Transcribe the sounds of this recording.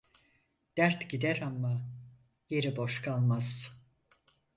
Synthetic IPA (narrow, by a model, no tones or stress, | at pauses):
d̪̥æɾt̪ɟid̪æɾamːa | je̞ɾibo̞ʃkʰalˠmaz̥